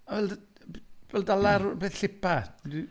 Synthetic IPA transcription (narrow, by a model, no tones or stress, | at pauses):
avɛld | vɛldalˠaɾbeːθɬɪpʰadi